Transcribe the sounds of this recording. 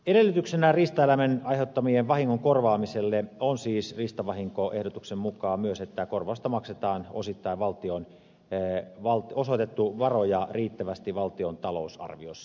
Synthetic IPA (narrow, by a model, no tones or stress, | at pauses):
eɾelːˑyt̪yksenærist̪ɑelæmenɑiheut̪ːɑmieʋʋɑhiŋːoŋkorʋɑːmiselːeonsiːsrist̪ɑʋɑhiŋkoʔehdot̪uksemmukɑːmyøset̪ːækorʋɑust̪ɑmɑkset̪ɑːno̰sit̪ːɑiʋʋɑlt̪ion | ʋɑlt̪osot̪et̪ːuʋɑrojɑriːt̪ːæʋæst̪iʋɑlt̪iont̪ɑlo̰usɑ̰rʋiosːɑ̥